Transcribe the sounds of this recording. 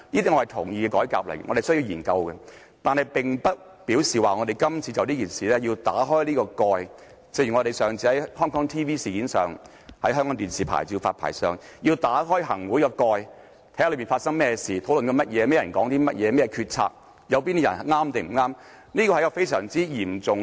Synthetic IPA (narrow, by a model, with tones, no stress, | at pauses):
niː˥t̪iː˥ŋɔ˧˩hɐ˨˩t̪ʰʊ˨˩ŋjiː˧kɛ˧kɔː˨˥jka̰ː˧p̚lɐ̰˨˩jŋɔ̰˨˧ɾe˨˩sɵ˥ji˧wjiː˨˩nkɐ˧wkɛ˧ | t̪aː˨nhɐ˨jpɪ˨ŋpɐ˥t̚ | piː˨˥wsiː˨waː˨ŋɔ˨˧e˨jkɐ˥mt͡sʰiː˨˧t͡sɐ˨wt̪iː˥kiː˨˩nsiː˨lɛː˥ji˧wt̪a̰ː˨˥ɦɔː˥jliː˥kɔː˧kɔː˧j | t͡sɛ˧jyː˨˩ŋɔ˨˧e˨jsœː˨ŋt͡sʰiː˧hɐ˨˦jhœː˥ŋkɔː˨˥ŋt̪ʰiː˥wiː˥siː˨kiː˨˥nsœː˨ŋ | hɐ˨˥jhɦœː˥ŋkɔ˨˥t̪iː˨nsiː˨pʰa̰ː˨˩jt͡si˧wfaː˧t̚pʰa̰ː˨˩jsœ̰ː˨ŋjiː˧wt̪aː˨˥ɦɔː˥jɦɐ̰˨˩ŋwuː˨˥jkɔː˧kɔː˧j | t̪ʰːlɵ˨˧ɥmi˨˩faː˧t̚sɐ˥ŋmɛː˥siː˨t̪ʰo˨˥wlɵ˨nkɔː˧mɐ˥t̚jɛː˨˧mɛː˥˩jɐ˨˩nkɔː˨˥ŋt̪iː˥mɐ˥t̚jɛː˨˧mɛː˥jɛ˧kʰyː˧t̚t͡sʰa̰ː˧p̚ | jɐ˨˧wpi˥ni˥jɐ̰˨˩n˨ŋaː˥mt̪e˨m̩˨˩ŋaː˥m | niː˥kɔ˧ɐ˧˥jkɔ˧fe˥jsœː˨˩ŋt͡siː˥jiː˨˩mt͡sʊ˨ŋ